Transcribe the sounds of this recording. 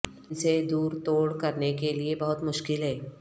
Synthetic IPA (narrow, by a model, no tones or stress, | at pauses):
sed̪uːɾt̪oːɽkɐɾnekeliebɐɦʊt̪mʊʃkɪlɦɛː